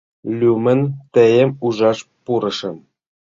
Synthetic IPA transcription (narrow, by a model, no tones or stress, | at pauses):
lʲumɘ̆nt̪ĕjĕmuʒɑʃpuɾɤ̆ʃɤ̆n